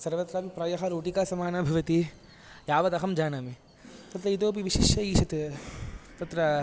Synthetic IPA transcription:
sɐɾʋɐt̪ɾaːpipɾɐjɐɦɐɾoːʈikaːsɐmaːnabʱɐʋɐt̪i | jaːʋɐt̪ɐɦɐmd͡ʒaːnaːmi | t̪ɐt̪ɾɐid̪oːp̬iʋiʃiʃjɐiːʃɐt̪e | t̪ɐt̪ɾɐ

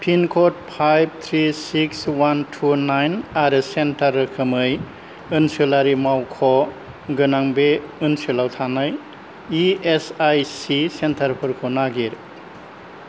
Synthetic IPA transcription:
pʰinkʰɔt̚pʰajb̚t̪ʰɾisikswantʰunajnaɾɯsentaɾːɯkʰɯmɯj | ɯnsulaɾimawkʰɔ | ɡɯnaŋbeɯnsulawtʰanaj | iesajsisentʰaɾpʰɯɾkʰonaɡiɾ

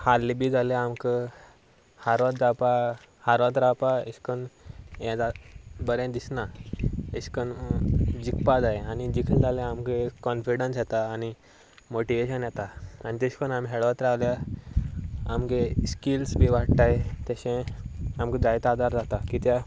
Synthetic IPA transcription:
halːibʱiːd͡zʱaleamkə | haɾʋat̪̚d͡zapa | haɾʋat̪ɾapaeskənjɛ̃d͡zabəɾẽd̪isnaeskənd͡ʑikpad͡zaeanid͡ʑikʰəld͡zaleamkekɔnfiɽənsjɛt̪aːni | moʈiʋeɕənjɛt̪aanit̪eɕkənamɦeɭʋat̪ɾawlja | amkeskilsbʱiʋaɽt̪aet̪jaɕẽamked͡zajt̪ad̪aɾd͡zat̪akit̪ja

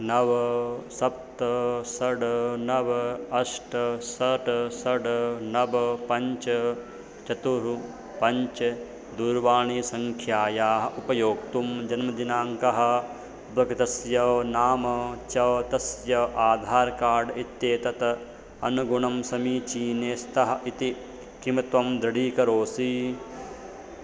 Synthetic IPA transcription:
nɐʋɐsɐp̚t̪ɐsɐɽnɐʋɐɐʂʈɐsɐʈsɐɖnɐbɐpɐɲt͡ʃɐ | t͡ʃɐt̪uɾu | pɐɲt͡ʃɐ | d̪uːɾʋaːɳisɐŋkʰjaːjaːɦɐ̆ʔupɐjoːk̚t̪umd͡ʒɐnmɐd̪inaːŋkɐɦɐ̆ | bʱɐɡt̪ɐsjɐnaːmɐt͡ʃɐʋt̪ɐsjɐʔaːd̪ʱaːɾkaːɾɖit̪ːjeːt̪ɐt̪ | ɐnuɡuɳɐmsɐmiːt͡ʃiːneːst̪ɐɦɐ̆ʔit̪i | kimɐt̪ʋɐmd̪ɾɐɽiːkɐɾoːsi

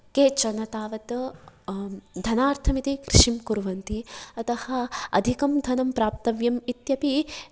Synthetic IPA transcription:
keːt͡ʃɐnɐt̪aːʋɐt̪ | d̪ʱɐnaːɾt̪ʰɐmit̪ikɾiʂimkuɾʋɐnt̪iɐt̪ɐhɐ̆ɐ̰d̪ʱikɐmd̪ʱɐnɐmpɾaːp̚t̪ɐʋjɐmit̪jɐpi

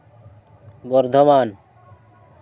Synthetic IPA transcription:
bɔɾd̪ʱoman

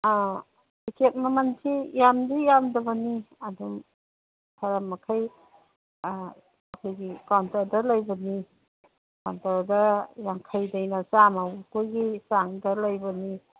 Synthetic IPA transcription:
bikʰet̚mamansʰijamdijamdɐbɐniadum | tʰaɾamːakʰaj | akʰojɡikawntaɾdalajbɐni | kawntaɾdɐjaŋkʰajdajnasamawkojɡisaŋdɐlajbɐni

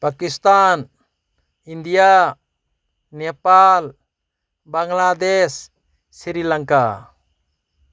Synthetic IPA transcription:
pakist̪an | ind̪ija | nɛpal | baŋlad̪esː | iɾilaŋka̰

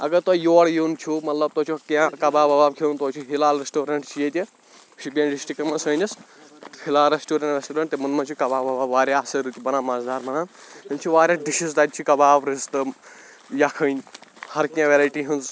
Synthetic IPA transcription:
ɐɡɐɾt̪ɔjoːɽjunt͡ʃʰumɐt̪lɐb̚t̪oːt͡ʃʰukãkɐbaːbɐbaːb̚kʰent̪oːt͡ʃʰuɦilaːlɾesʈoːɾɐɳʈt͡ʃʰijet̪ʲi | ʃʰibʲãːnɖisʈɾikɐmɐnsəːnʲis | hilaːlɾesʈuːɾɐɳʈɾesʈoːɾɐɳʈ̚t̪imɐnmɐnt͡ʃʰukɐbaːbɐbaːbʋaːɾʲasɐɾɨt̪ʲibɐnãːmɐzd̪aːɾmɐnaːnhint͡ʃʰuʋaːɾʲaɖiʃizd̪ɐd̪̚ʲt͡ʃʰukɐbaːbɾizt̪ɨ | jakʰənʲhɐɾkʲãːʋeɾaːjʈiɦɨnz

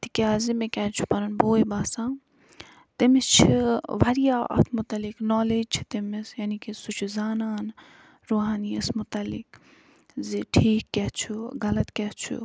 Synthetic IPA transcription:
t̪i̥kʲaːzimẽkʲɛt͡ʃʰu̥pɐɾɐnboːibaːsãː | t̪imɪst͡ʃʰiʋaɾijaːɐ̰t̪ʰmʊt̪ɐlɪknɔːleːd͡ʒt͡ʃʰi̥t̪imisjaːnikisut͡ʃʰuzaːnaːn | ɾoːɦaːniɐsmʊt̪ɐlːɪ̰k | ziʈʰiːkːɛt͡ʃʰuɡɐlɐt̪kɛt͡ʃʰṵ

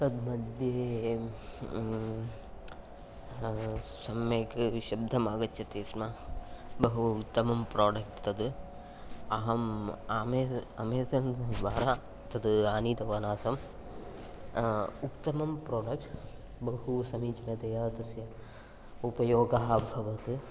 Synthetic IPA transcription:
t̪ɐd̪mɐd̪ʱjeː | sɐmjeːkʃɐb̚d̪ʱɐmaːɡɐt̪jɐt̪eːsmabɐɦuut̪ːɐmɐmpɾoːɖɐk̚ʈt̪ɐd̪ | ɐɦɐmaːmeɐmeːsɐnd̪ʋaːɾaː | t̪ɐd̪ɨaːniːt̪ɐʋɐnaːsɐm | ukt̪ːɐmɐmpɾoːɖɐk̚ʈ | bɐɦusɐmiːt͡ʃɐnɐt̪ɐjaːt̪ɐsjɐ | upɐjoːɡɐɦɐbʱɐʋɐt̪ɨ

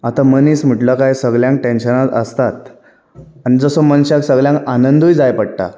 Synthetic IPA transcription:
at̪aməniːsm̤iʈləkajsəɡljãŋk̚ʈenɕənat̪ə̰st̪at̪ | anid͡zəsomənɕaksəɡɭjãŋkanənd̪ʱujd͡zajpəɽ̚ʈ̪a̰

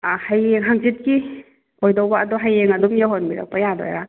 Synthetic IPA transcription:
ahajeŋɦaŋzit̚ki | ojdawbaːdɔɦajeŋɐdɔmjaɦɔnmiɾa̰k̚pajadɔ̰jɾa

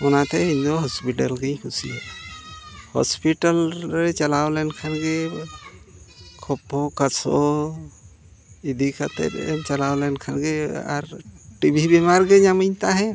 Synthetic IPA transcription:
ɔnat̪ɛind̪oɦɔspiʈəlɡə̃j̃kʰusḭɛ | hɔ̰spiʈəlɾɛt͡ʃɐlawlɛnkʰanɡe | kʰɔpokəsʰo | id̪ʱikʰat̪ɛ̰ɾɛ̰mt͡ʃɐlawlɛnkʰanɡea̰ɾʈibʱibɛmaɾɡeɲamiɲt̪aɦɛ

